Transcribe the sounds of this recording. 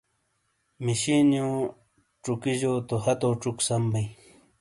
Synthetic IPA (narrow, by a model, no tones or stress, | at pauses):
miɕinjũː | ʈ͡ʂukiʑoːt̪ohɐt̪oːʈ͡ʂuksɐmbij